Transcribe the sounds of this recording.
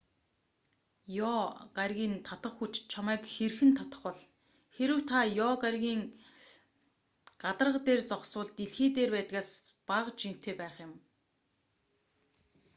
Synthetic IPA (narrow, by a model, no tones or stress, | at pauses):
jɔːɢarʲɣʲiːnt̪ʰɔt̪ə̆χxut͡ɕt͡ɕʰamæːkxerxɘ̆nt̪ʰɔt̪ə̥̆χwɔ̆ɮ | xeɾɘ̆wt̪ʰajɔːɢarʲɣʲiːŋ | ɢat̪ə̆rʁə̆t̪eːrt͡sɔχsʊːɮt̪iɮxeːt̪eːrpæːt̪ɣaːspaʁt͡ɕim̥t̪ʰeːpæːχjɪ̆m